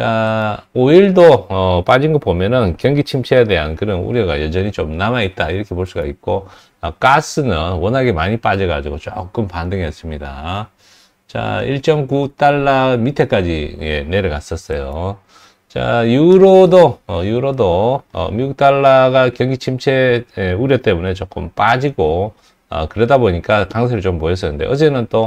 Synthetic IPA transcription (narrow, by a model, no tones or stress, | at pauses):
t͡ɕaoiɭdoʌp͈ad͡ʑinɡʌpomjʌnɯnkjʌŋɡit͡ɕʰimt͡ɕʰejade̞ɦankɯnɯnṵɾjʌɡa̰jʌd͡ʑʌɲit͡ɕomnamait̚t͈aiɾʌkʰe̞poɭs͈uɡaik̚k͈o | ʌk͈as͈ɯnɯnwʌnɦaɡemaɲip͈ad͡ʑʌɡa̰d͡ʑuɡot͡ɕ͈o̰k͈ɯmpandɯŋʌs͈ɯmɲida | t͡ɕa̰iɭt͡ɕ͈ʌmkut͈aɭːamitʰe̞k͈ad͡ʑḭe̞̰ne̞ɾɯɭkas͈ʌs͈ʌjo | t͡ɕa̰juɾodoʌjuɾodoʌ̰miɡuk̚t͈aɭːaɡakjʌŋɡit͡ɕʰimt͡ɕʰe̞euɾjʌt͈e̞mune̞t͡ɕok͈ɯmp͈ad͡ʑiɡo | ʌ̰kɯɾedaboɲik͈akaŋsʰeɾɯɭt͡ɕompoes̬͈ʰʌnɯnde̞̰ʔʌd͡ʑe̞nɯnt͈o